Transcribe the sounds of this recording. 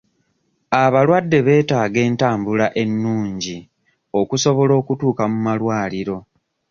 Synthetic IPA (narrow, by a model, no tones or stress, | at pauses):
aβalwadːe̞βe̞ːtaːɡe̞ːntaːmbulaʔe̞nːuːɲɟi | o̞kuso̞βo̞lo̞ːkutuːkamumalwaːliɾo̞